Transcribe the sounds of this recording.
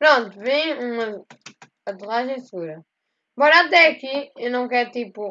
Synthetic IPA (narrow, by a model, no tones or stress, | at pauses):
pɾõnt̪uvĩjumɐ | ɐt̪uʁaʒẽj̃sɨɣuɾɐ̃ | mbɔɾɐat̪̬ɛɐkiewnɐ̃w̃kɛɾt̪ipu